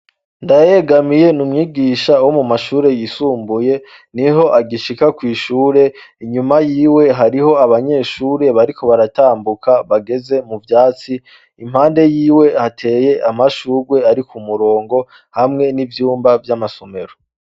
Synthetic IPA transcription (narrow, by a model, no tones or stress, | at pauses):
ndaje̞ɡamije̞numŋiːɡiːʃawo̞mumaʃuːɾe̞jisuːmbuje̞ | niɦo̞ʔaɡiʃikakwiːʃuːɾe̞iɲumajiːwe̞ɦaɾiho̞aβaɲe̞ːʃuːɾe̞βaɾikʰo̞βaɾataːmbukʰaβaɡe̞ze̞muvjaːt͡si | im̥haːnde̞jiːwe̞hatʰe̞ːje̞ʔamaʃuːɾwe̞aɾikʰumuɾo̞ːŋɡo̞ | hamŋe̞nivjuːmbavjamasome̞ɾo